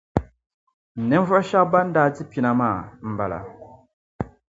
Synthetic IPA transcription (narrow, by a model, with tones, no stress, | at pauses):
n̩˨nɛ˦n˦vɔ˦ʃa˦kba˦n̩˦daː˦˨d͡zi˦pi˨na˦˨maː˦˨m̩˨ba˨la̰˨